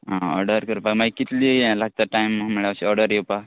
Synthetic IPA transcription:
ɦãɔ̰ɾɖəɾkəɾupamaɡikit̪liːlaɡ̚t̪aʈajmməɭaɕiɔɾɖəɾjewpa

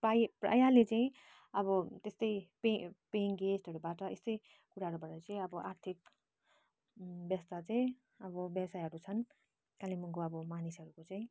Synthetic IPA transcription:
pajpra̰jalet͡saĩ | ʌbʌt̪est̪ʌjpepeŋɡesʈʌɾubaʈʌest̪ʌj | kuɾaɦʌɾubaʈʌt͡sʌĩʌbʌʔart̪ʰik | bjʌst̪at͡saĩ | ʌbʌbjʌbsajɦʌɾut͡sʰʌn | kalimuŋkoʌbʌmanisɦʌɾukot͡saĩ

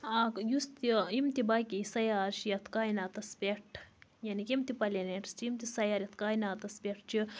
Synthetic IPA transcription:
akjust̪iimt̪ibaːkisɐjaːɾʃjɐt̪ʰkaːjnaːt̪ɐspʲeʈʰjanikimt̪ipɐleneʈst͡ʃimt̪isɐjaːɾjɐt̪ʰkaːjnaːt̪ɐspʲeʈt͡ʃi

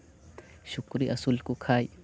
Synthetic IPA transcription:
ʃʊkɾiʔɐsʊlkukʰaːj

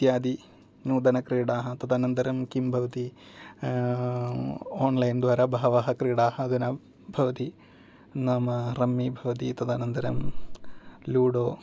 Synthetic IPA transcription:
t̪jaːd̪i | nuːd̪ɐnɐkɾiːɽaːɦɐt̪ɐd̪aːnɐnd̪ɐɾɐmkimbʱɐʋɐt̪i | oːnlɐjnd̪ʋaːɾɐbʱɐɦɐʋaɦɐkɾiːɽaːhɐːd̪ɐnɐ | bʱɐʋɐt̪i | naːmɐɾɐmːibʱɐʋɐt̪it̪ɐd̪aːnɐnd̪ɐɾɐ̰m | luːɽoː

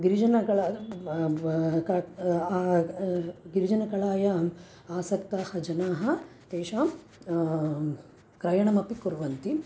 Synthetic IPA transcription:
ɡiɾid͡ʒɐnɐkɐɭa | kɐ | ɡiɾid͡ʒɐnɐkɐɭaːjɐ | aːsɐkt̪aːhɐd͡ʒɐnaːɦɐ | t̪eːʃaːm | kɾɐjɐɳɐmɐpikuɾʋɐnt̪i

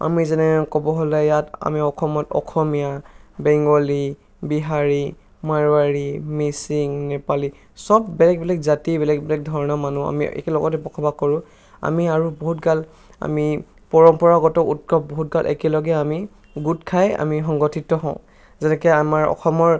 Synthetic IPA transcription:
a̰mizɛnɛɛkɔbɔɦɔlɛjata̰miɔkʰɔmɔtɔ̰kʰɔmijabɛŋɡɔli | biɦaɹi | maɹwaɹimisiŋnɛpali | sɔbbɛlɛk̚bɛlɛk̚zatibɛlɛk̚bɛlɛk̚dʱɔɹɔnɔmanua̰mḭɛ̰kɛlɔɡɔtɛpɔkʰɔbakɔɹʊ̃ | a̰miaɹubɔɦutɡal | a̰mi | pɔɹɔmpɔɹaɡɔtɔʔut̚kɔp̚bɔɦut̚ɡalʔɛ̰kɛlɔɡɛami | ɡutkʰaja̰miɦɔŋɡɔtʰitːɔɦɔ̃ʊ̃ | zɛnɛkɛamaɹɔ̰xʰɔmɔɹ

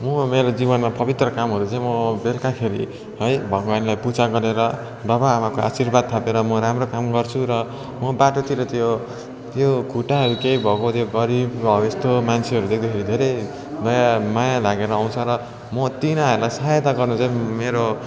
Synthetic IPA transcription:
mʌmeɾod͡zibʌnmapʌbit̪rʌkamɦʌɾut͡saĩmʌbelkakʰeɾḭ | ɦʌjbʱʌɡwanlajput͡saɡʌɾeɾʌ | d̪ʌbaːmakoʔa̰sirbad̪̚t̪ʰapeɾʌmʌɾamrokamɡʌrt͡sʰuɾʌ | mʌbaʈot̪iɾʌt̪jo | t̪joɡʱuʈaɦʌɾukeibʱʌɡot̪joɡʌɾibʌest̪omant͡sʰeʌɾud̪ek̚ʰd̪akʰeɾid̪ʱeɾej | d̪ʌjamajalaɡeɾʌːw̃t͡sʰʌɾʌ | mʌt̪inaɦʌɾulajsaɦjet̪aɡʌrnut͡saĩmeɾo

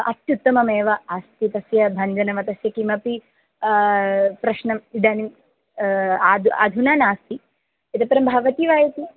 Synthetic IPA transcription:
ɐ̰t̪jut̪ːɐmɐmeːʋɐaːst̪it̪ɐsjɐbʱɐɲd͡ʒɐnɐmɐt̪ɐsjɐkimɐpi | pɾɐʃnɐmid̪aːni | aːd̪a̰ːd̪ʱunaːnaːst̪i | ɐt̪ɐpɐɾɐmbʱɐʋɐt̪iʋaːjɐt̪i

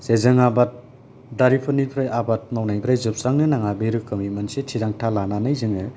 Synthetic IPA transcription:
sezɯŋabat̚ | daɾipʰɯnipʰɾajʔabat̚mawnajbʰɾajzɯp̚saŋnɯnaŋabeɾɯkɯmimansetʰiɾaŋtʰalananajzɯŋɯ

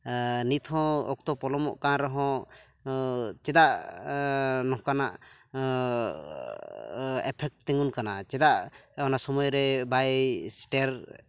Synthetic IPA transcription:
nit̪ʰhɔ̃ɔ̰k̚t̪ɔpɔlɔmɔ̰ʔkaɾɔɦɔ̃ | t͡ʃɛd̪aʔ | nɔɦkanaʔ | ɛpʰɛk̚ʈt̪ɛŋunkanat͡ʃɛd̪aʔɔnasɔmɔjɾɛbajsʈɛɾ

